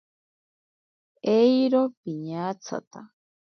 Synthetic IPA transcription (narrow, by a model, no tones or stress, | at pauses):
ejɾopiɲaːt͡sʰa̰t̪a